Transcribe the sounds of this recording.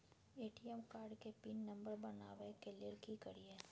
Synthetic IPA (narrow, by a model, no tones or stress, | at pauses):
eːʈiɛmkaːɾɖkepiːnːɐ̃mbəɾbɐnaːʋekeliɾkikɐɾie